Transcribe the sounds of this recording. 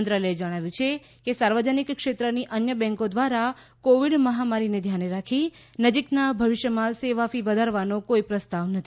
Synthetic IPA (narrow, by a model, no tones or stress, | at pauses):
nt̪ɾalied͡ʒəɽ̃aʋjũt͡ʃʰe | kesaɾʋəd͡ʒənikkʃet̪ɾəniʔənjəbɛ̃ŋkod̪ʋaɾa | koʋiɽməɦamaɾined̪ʱjaneɾakʰi | nəd͡ʒiknabʱəʋiʃjəmãseʋafiʋəd̪ʱaɾʋanokoipɾəst̪aʋnət̪ʰi